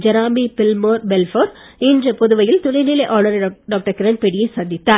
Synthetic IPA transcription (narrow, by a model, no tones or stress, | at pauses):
d͡ʒɐɾaːmbipɪlmoːɾbɛlfoːɾɪndrɐpɔðɯʋɐjɪlt̪ʊlɐɪnɪlɐɪʔaːnɐɾɖaːk̚ʈɐɾkɪɾɐnpɛɽɪjɐɪsɐnd̪ɪt̪ːaːɾ